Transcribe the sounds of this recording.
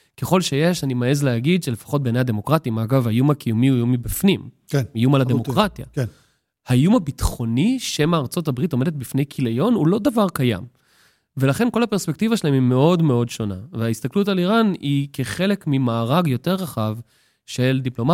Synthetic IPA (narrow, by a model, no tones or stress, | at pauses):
ke̞χo̞lʃe̞je̞ʃanimaezleaɡid̪ʃele̞fḁχo̞t̚benejad̪e̞mo̞kʁatimaɡavajumakijumiujumibifnim | ijumalademo̞kkʁatja̰ | haijumabit̪χo̞niʃemaːʁt͡so̞tabʁito̞me̞det̪̚bifne̞jkʰilejo̞nulo̞d̪avaʁkaja̰m | ve̞laχe̞nko̞lape̞ʁspek̚tivaʃelaemime̞o̞dme̞o̞dʃo̞na̰veaist̪aklut̬aliʁanikeχe̞le̞kmimaːʁaɡjo̞teʁːaχav | ʃe̞ld̪iplo̞ma